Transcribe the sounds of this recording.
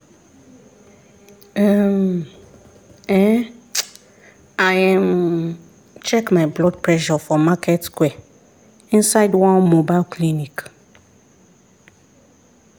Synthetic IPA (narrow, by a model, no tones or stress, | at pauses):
am | ɛ | ajm | t͡ʃʰɛkmaɪblɔd̚pʰɹɛʃɔfɔmakʰɛtskwɛ | ĩnsaɪdwãnmobaɪlkʰlinik